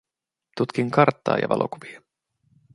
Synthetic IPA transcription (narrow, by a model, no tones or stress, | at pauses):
t̪ut̪kiŋkɑrt̪ːɑ̰ːjɑ̰ʋɑ̰lʔo̞kuʋiɑ